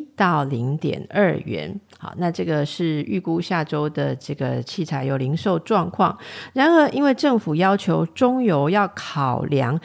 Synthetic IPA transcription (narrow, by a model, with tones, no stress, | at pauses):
t̪ɑ˥˩ʊli˧˥ŋt̪jɛ̰˨˩nə˞˥˩ɥɛ̰˧˦n | xɑ̰˨˩na˥˧ʈ͡ʂɤ˥˩ɡə˩ʂɻ̩˥˧y˥˧˩ku˥ɕja˥˩ʈ͡ʂo˥ʊd̪ə˨ʈ͡ʂɤ˥˩ɡə˩t͡ɕʰi˥˩t͡sʰa˨˩ɪjo˨˩ʊli˧˥ŋʂo˥˧ʊʈ͡ʂwɑ˥˧ŋkʰwɑ̰˥˩ŋɻa˧˥nə˧˥ʔi˥nwe˥˧ɪʈ͡ʂɤ˥˩ŋfu˨˩jɑ˥ʊt͡ɕʰjo˧˥ʊʈ͡ʂʊ˥ŋjo˧˥ʊjɑ˥˩ʊkʰɑ˨˩ʊljɑ̰˧˥ŋ